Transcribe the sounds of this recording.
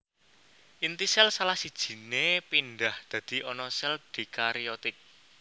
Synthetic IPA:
ʔint̪isɛlsalahsid̥ʒ̥i̤nepinɖ̪ahd̪̥ä̤d̪̥i̤ʔɔnɔsɛld̪̥iklaɾiɔt̪ɪk̚

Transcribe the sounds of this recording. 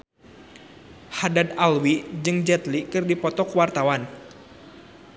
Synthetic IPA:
hadad̪alwid͡ʒɨŋd͡ʒɛt̪likɨrdipɔt̪ɔkwart̪awan

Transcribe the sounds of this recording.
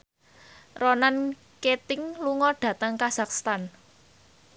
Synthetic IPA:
rɔnan | ket̪ɪŋluŋɔɖ̥ä̤t̪əŋkaz̥akst̪an

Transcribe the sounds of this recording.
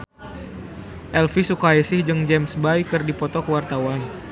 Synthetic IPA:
ʔɛlfisukaisɪhd͡ʒɨŋd͡ʒɛmsbajkɨrdipɔt̪ɔkəwart̪awan

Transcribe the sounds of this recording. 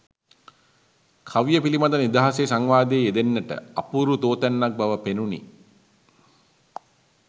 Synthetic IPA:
kʰaʋjəpilimad̪ɐnid̪aɦasesaŋʋaːd̪eːed̪enːəʈə̰apuɾut̪oːt̪ænːak̚baʋəpenunḭ

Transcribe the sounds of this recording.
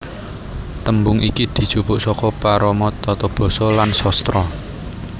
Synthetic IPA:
t̪əmbʊŋikid̪̥i̤̥t͡ʃupʊʔsɔkɔpaɾɔmɔt̪ɔt̪ɔb̥ɔ̤sɔlansɔst̪ɾɔ

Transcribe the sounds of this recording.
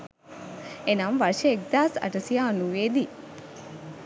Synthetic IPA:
enamʋaɾʃeek̚d̪aːsɐ̰ʈəsijaːnuʋeːd̪i

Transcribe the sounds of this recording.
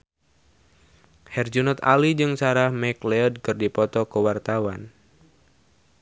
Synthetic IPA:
hɛrd͡ʒunɔt̪a̰lid͡ʒɨŋsaɾahmɛklɛɔd̚kɨrdipɔt̪ɔkəwart̪awan

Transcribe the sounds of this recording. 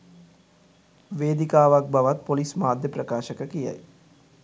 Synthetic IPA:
ʋeːd̪ikaːʋak̚baʋat̪̚polismaːd̪ʱjəprəkaːʃəkəkija̰j

